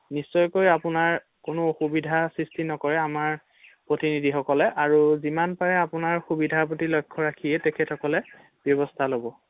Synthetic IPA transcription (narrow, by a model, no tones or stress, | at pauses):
nisːɔjkojapʊnaɹ | kʊnʊoxubidʱasɹistʰinɔkɔɹɛamaɹ | pɹotinidʱixɔkɔlɛʔaɹuzimanpaɹɛapʊnaɹxubidʱap̬otilɔjkʰːɔɹakʰijɛtɛkʰɛtʰɔkɔlɛ | b̥jɔbɔstʰalobɔ